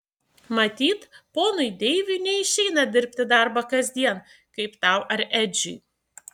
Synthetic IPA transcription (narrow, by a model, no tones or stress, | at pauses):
mɐt̪ʲiːt̪poːnʊɪd̪ʲɛɪʋʲʊnʲɛɪʃʲɛɪnɐd̪ʲɪɾʲpʲt̪ʲɪd̪ɑˑɾbɐkɐzʲd̪ʲiɛn | kɐɪpt̪ɑˑʊʔɐɾɛd͡ʒʲʊ